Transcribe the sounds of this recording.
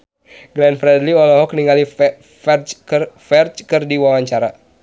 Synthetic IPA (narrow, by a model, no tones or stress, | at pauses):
ɡlɛnfɾɛdliɔlɔɦɔkniŋali | fɛt͡ʃkfɛrt͡ʃkɨrdiwawaɲt͡ʃaɾa